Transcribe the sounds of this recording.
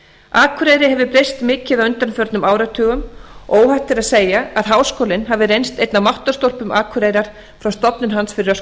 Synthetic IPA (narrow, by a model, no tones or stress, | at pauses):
aːkʰʏɾeːjɾɪhɦɛvʏpɾejst̪mɪːcɪðawʏnt̪aɾnfœɾt̪nʏmaːwɾat̪ʰœːɣʏmoːwhaht̪ɪɾaðseːjaaðɦaːwskoːlɪnɦavɪɾejnst̪ejt̪namawht̪ḁst̪ɔl̥pʏmaːkʰʏɾeːjɾaɾ̥ | fɾawst̪ɔpnɪnɦansfɪɾɪɾas